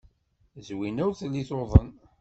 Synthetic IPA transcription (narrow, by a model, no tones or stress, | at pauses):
zwinæwθlːiθoðˤən